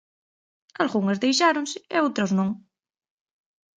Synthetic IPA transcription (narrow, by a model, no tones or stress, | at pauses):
alɣuŋezðejʃaɾõnsɪeowt̪ɾoznõŋ